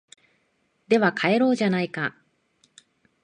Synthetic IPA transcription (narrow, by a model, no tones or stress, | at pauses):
d̪e̞βakʰae̞ɾo̞ːʑanaika